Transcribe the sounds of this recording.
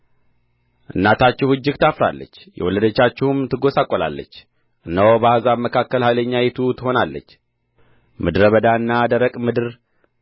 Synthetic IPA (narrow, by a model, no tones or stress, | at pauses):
ʔɨnːat̪ʰat͡ʃːɪhɨd͡ʒːɪɡt̪ʰafɾa̰lːə̰t͡ʃːjɛ̰wɔləd̪ət͡ʃːat͡ʃːɪhumt̪ʰɨɡo̞sakʼːola̰lːə̰t͡ʃː | ʔɨnːawobahazabməkʰakːəlhajləɲːajɛt̪ʰut̪ʰɨho̞nalːə̰t͡ʃː | mɨd̪ɾəβəd̪aɨnːad̪əɾəkʼmɨd̪ɨɾ